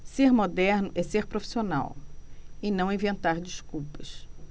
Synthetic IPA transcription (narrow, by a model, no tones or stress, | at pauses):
seɾmod̪ɛɾnʊʔɛseɾpɾofi̥siona̰w | ɪnɐ̃w̃ĩvẽnt̪aɾd͡ʒiskuwpɐs